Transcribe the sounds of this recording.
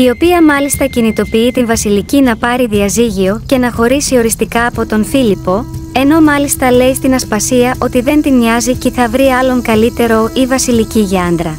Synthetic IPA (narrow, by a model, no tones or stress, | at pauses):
io̞piɐmɐlist̪ɐcinit̪o̞piit̪invɐsilicinɐpɐɾiðiɐziʝio̞ce̞nɐxo̞ɾisio̞ɾist̪ikɐːpo̞t̪o̞nfilipo̞e̞no̞mɐlist̪ɐle̞ist̪inɐspɐsiɐʔo̞t̪iðe̞nt̪inɲɐziceθɐvɾiɐlo̞ŋkɐlit̪e̞ɾo̞ivɐsiliciʝɐnd̪ɾɐ